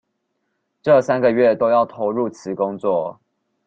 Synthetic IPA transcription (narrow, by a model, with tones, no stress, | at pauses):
ʈ͡ʂɤ˥˨sa˥nɡə˨ɥɛ˥˨t̪o˥ʊjɑ˥˩ʊt̪ʰo˧˥ʊɻu˥˨t͡sʰɹ̩˨˧˥kʊ˥˦ŋt͡swɔ˥˨